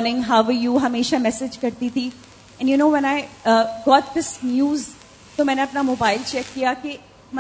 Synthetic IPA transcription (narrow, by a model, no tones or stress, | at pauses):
nɪ̃ŋɦaʊʋəjuːɦɐmeːʃamɛsɪd͡ʒkɐɾt̪it̪ʰi | ɛ̃njunoːʋɛ̃naɪɡɔːt̪̚d̪ɪsnjuːz | t̪omɛ̃ːneɐpnamoːbaɪlt͡ʃɛkːijake | m